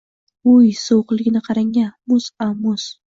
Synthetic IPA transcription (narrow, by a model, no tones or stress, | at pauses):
ʊjsowqlˠɪɡʲɪnɪqʰɑɾaŋamʊsamʊs